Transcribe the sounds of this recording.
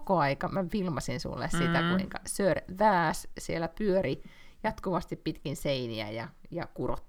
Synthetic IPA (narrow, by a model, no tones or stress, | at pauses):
koɑikɑmæʋilmɑsinsṵlːḛssit̪ækuiŋkɑsørʋæːssielːæpyøɾi | jɑt̪kuʋɑst̪ippit̪kinseiniæ̰jɑjɑkurot̪ː